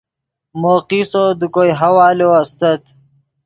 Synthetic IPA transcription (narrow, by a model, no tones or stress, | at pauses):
moːqiːsod̪ukojɦɐwaːloɐst̪ɐt̪